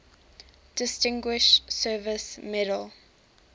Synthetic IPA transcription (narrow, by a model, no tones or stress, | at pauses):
d̥ɪstɪ̃ŋɡwɪʃsɜːvəsmɛɾəlˠ